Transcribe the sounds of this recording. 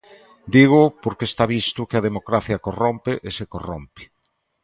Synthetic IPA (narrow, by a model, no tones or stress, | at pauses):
d̪iɣ̞ʊpoɾkest̪aβist̪ʊkeɐðemokɾaθjɐkorompɪʔesekorompɪ̥